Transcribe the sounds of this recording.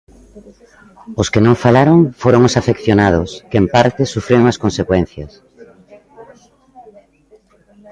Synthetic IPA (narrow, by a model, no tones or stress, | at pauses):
oskenõŋfalaɾoŋfoɾoŋosafekθjonaðʊskeempaɾt̪esufɾeoŋaskonsekwɛn̟θjɐs